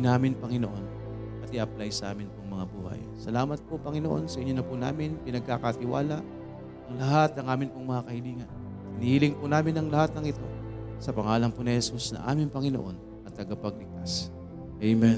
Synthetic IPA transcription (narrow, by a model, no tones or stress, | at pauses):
naːmɪnpɐŋɪnoʔo̞n | pɐt̪iʔɐplajsɐʔa̰ːmɪnpoŋmɐŋabuːhɐ̰j | sɐlaːmɐt̪̚popɐŋɪnoʔo̞̰nsɐʔɪɲo̞nɐpuna̰ːmɪnpɪnɐɡ̚kakɐt̪ɪwa̰ːlɐʔ | ʔɐŋlɐɦat̪̚ɐŋʔaːmɪnpoŋmɐŋakɐhɪliːŋɐn | t̪ɪnihilɪŋpʊnaːmɪnɐŋlɐhat̪̚nɐŋɪt̪o̞sɐpɐŋaːlɐŋponɪhɛsusnɐ̰ŋʔa̰ːmɪŋpɐŋɪnoʔo̞n | ʔɐt̪ːɐɡapɐɡ̚lɪɡ̚kt̪as | ʔejmɛ